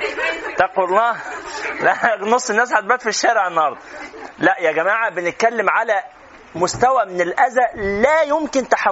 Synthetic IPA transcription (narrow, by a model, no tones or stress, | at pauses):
t̪æqollɑːlænosˤːenːæːs̬ħat̪̚bæt̪fiʃːæːɾeʕnːhɑɾˤd̪ˤlæʔjæɡæmaːʕabenɪt̪̚kælːemʕalæ | mʊst̪æwæmɪnelʔæzæʔlæːjomkɪnt̪aħa